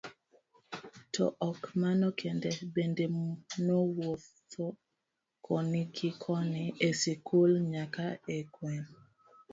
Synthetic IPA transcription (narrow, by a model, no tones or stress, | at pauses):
tʰɔ̰ʔɔkmanɔkʰendɛbendenowof | ɔ | kʰɔniɡikʰɔniesikʰulɲakaekwɛn